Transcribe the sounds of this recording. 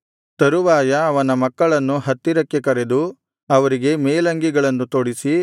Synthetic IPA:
t̪ɐɾuʋaːjɐːʋɐnɐmɐkːɐɭɐnːuɦɐt̪ːiɾɐkːekɐɾe̞d̪u | ɐʋɐɾiɡe̞meːlɐŋɡiɡɐɭɐnːut̪oɽisi

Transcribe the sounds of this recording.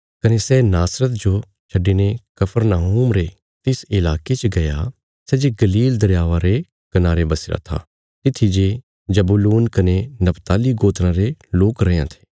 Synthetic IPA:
kɐnesɛnaːsɾət̪d͡ʒo | t͡ʃʰɐɖːinekɐpʰəɾnaːɦuːmɾe | t̪ɪsɪlaːket͡ʃəɡɐja̰ | sɛd͡ʒeɡɐliːld̪ɐɾjaːʋaɾe | kɐnaːɾebɐsɪɾa̰t̪ʰa̰ː | t̪ɪt̪ʰːid͡ʒe | d͡ʒɐbuluːnkɐnenɐpt̪aːliɡoːt̪ɾãɾeloːkɾɐãt̪ʰe̥ː

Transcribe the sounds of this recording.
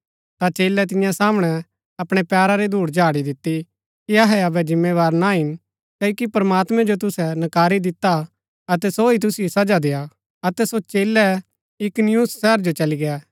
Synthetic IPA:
t̪at͡ʃeːlɛt̪̬ɪ̃jãsaːməɽ̃ɛ | ɐpɽ̃ɛpjaːɾaɾed̪ʱuːɽd͡ʒʱaːɽid̪ɪt̪ːi | kiɐɦɛɐbɛd͡ʒɪ̃mːeʋaːɾnaɦɪn | kɐokipɐɾmaːt̪mɛ̃d͡ʒot̪ʊsɛnɐkaːɾid̪ɪt̪ːa | ɐt̪ɛsoit̪ʊsiosɐd͡ʒad̪eːa | ɐt̪ɛsot͡ʃeːlɛ | ɪknjuːssɛːɾd͡ʒot͡ʃɐliɡɛɛː

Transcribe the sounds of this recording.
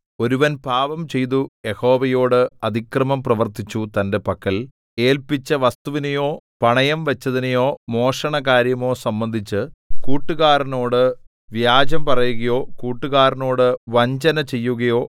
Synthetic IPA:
o̞ɾuʋɐnbʱaːʋɐmt͡ɕe̞jt̪̬uje̞ho̞ːʋɐjo̞ːɽɨɐd̪ʱikrɐmɐmprɐʋɐrt̪it͡ɕːut̪ɐnde̞pɐkːɐl | e̞ːlpit͡ɕːɐʋɐst̪uʋinejo̞ː | pɐɳɐjɐmʋɐt͡ɕːɐðinejo̞ːmo̞ːʂɐɳɐkaːɾjɐmo̞ːsɐmbɐnd̪ʱit͡ɕːɨkuːʈːuɣaːɾɐno̞ːɽɨ | ʋjaːd͡ʑɐmpɐrɐjuɣɐjo̞ːkuːʈːuɣaːɾɐno̞ːɽɨʋɐɲt͡ɕɐnɐt͡ɕe̞jːuɣɐjo̞ː

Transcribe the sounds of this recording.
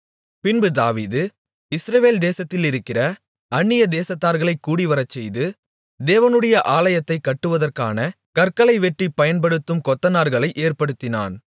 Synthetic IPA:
pɪnbɯd̪aːʋiːðɯ | ɪsɾɐʋeːld̪eːsɐt̪ːɪlɪɾɯkːɪrɐ | ɐɳːɪjɐd̪eːsɐt̪ːaːɾɣɐɭɐɪkːuːɽiʋɐɾɐt͡ʃːɛjðɯ | d̪eːʋɐnɯɽɐjɐʔaːlɐjɐt̪ːɐɪkːɐʈːɯʋɐðɐrkaːnɐ | kɐɾkɐlɐɪʋɛʈːipɐjɐnpɐɽɯt̪ːɯmkɔt̪ːɐnaːɾɣɐɭɐɪʔeːrpɐɽɯt̪ːɪna̰ːn

